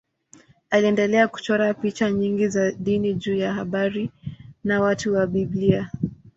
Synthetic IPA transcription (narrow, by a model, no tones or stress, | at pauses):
aliɛndɛlɛaku̥t͡ʃɔɾapit͡ʃaɲiŋɡizaɗiniʄuːjaɦaɓaɾinawatuwaɓiblia